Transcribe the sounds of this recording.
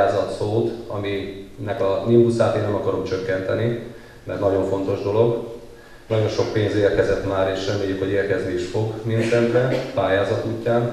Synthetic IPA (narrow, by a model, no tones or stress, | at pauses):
aːzɒt̪soːt̪ɒminɛkɒnimpusaːt̪eːnːɛmɒkɒɾo̞mt͡ʃøkːɛnt̪ɛni | mɛrt̪nɒɟo̞ɱfo̞nt̪o̞ʒd̪o̞lo̞ɡ | nɒɟo̞nʃo̞k̚peːnzeːrkɛzɛt̪maːɾeːʃrɛmeːjːykho̞ɟeːrkɛznieʃfo̞ɡmiɛnsɛnt̪rɛpaːjaːzɒt̪uːcːaːn